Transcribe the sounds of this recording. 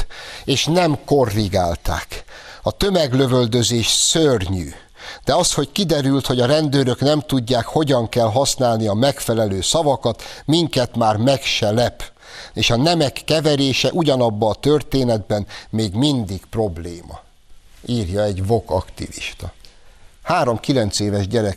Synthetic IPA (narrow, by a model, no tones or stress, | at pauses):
eːʃnɛmko̞rːiɡaːlt̪a̰ːkɒt̪ø̞mɛɡlø̞vø̞ld̪ø̞zeːʃsørɲy̰ː | d̪̥ɛɒst̪ho̞ckid̪ɛɾylt̪ho̞ɟɒɾɛnd̪øːɾøknɛmt̪uɟːaːkho̞ɟɒŋkɛlɦɒsnaːlniɒmɛkfɛlɛløːsɒvɒkɒt̪miŋkɛt̪maːrmɛkʃɛlɛp | eːʃɒnɛmɛkːɛvɛɾeːʃɛʔuɟɒnɒbːɒːt̪ørt̪eːnɛd̪bɛnmeːɡmind̪iɡpro̞bleːmɒ̰ | iːrjɒɛɟvo̞kɒkt̪iviʃt̪ɒ | haːɾo̞mkilɛnt̪seːvɛʒɟɛɾɛ